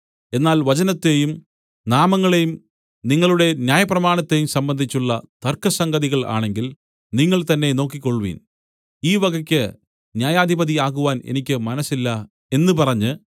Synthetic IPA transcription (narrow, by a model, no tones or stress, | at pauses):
e̞nːaːlʋɐt͡ɕɐnɐt̪ːe̞jum | naːmɐŋːɐɭejum | niŋːɐɭuɽe̞njaːjɐprɐmaːɳɐt̪ːe̞jumsɐmbɐnd̪ʱit͡ɕːuɭːɐt̪ɐrkɐsɐŋɡɐðiɣɐɭa̰ːɳe̞ŋɡil | niŋːɐɭt̪ɐnːe̞no̞ːkːikːo̞ɭːuʋḭːn | iːʋɐɡɐkʲːɨ | njaːjaːd̪ʱibɐðiaːɣuʋaːnḛnikʲːɨmɐnɐsːilːɐ | e̞nːɨpɐrɐɲːɨ